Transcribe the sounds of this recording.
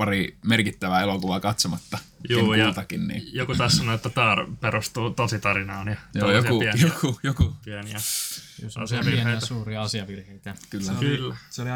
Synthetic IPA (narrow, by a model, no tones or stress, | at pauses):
ɑrimerkit̪ːæʋæelokuʋɑkɑt̪somɑt̪ːɑjuːjolt̪ɑkinnḭːjokut̪ɑːssɑnoet̪ːæt̪ɑːrpeɾust̪uːt̪osit̪ɑɾinɑːnjɑnojokupiæjokujokupiæniæsɑ̰siɑʋirheisuːriɑɑsiɑʋirheit̪ækylːylːæseoli